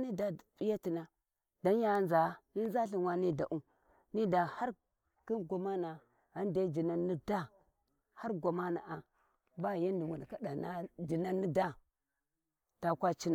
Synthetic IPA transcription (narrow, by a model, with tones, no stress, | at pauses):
ni˦da˨pi˦ja˦ti˨na˨ | da˨˦n˦ja˨˦nza˨˦ni˦n˦za˦ɬi˨wa˦ni˦da˨ʔu˦ | ni˦da˨ha˦ɾ | ki˦nɡʷa˨ma˦na˨ | a˦nde˦d͡ʒi˨na˦ni˦da˦ | ha˦ɾɡʷa˨ma˦na̰˨ʔa˨ | ba˦˨ja˦ndi˨wu˨n˨ka˦da˨na˦d͡ʒi˨na˦ni˦da˦ | ta˨kʷa˦t͡ʃi˦na˨